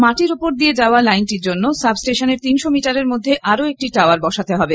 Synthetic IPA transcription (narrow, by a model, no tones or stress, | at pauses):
maʈiɾupoɾd̪ied͡ʑaoalajnʈiɾd͡ʑonːosabsʈeʃaneɾt̪inʃomiʈaɾeɾmod̪ʱːeʔaɾoek̚ʈiʈaaɾbɔʃat̪eɦɔbe